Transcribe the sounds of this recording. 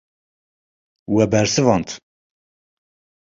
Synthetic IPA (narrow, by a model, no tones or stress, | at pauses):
wɛbɛɾsɨvɑnt̪ʰ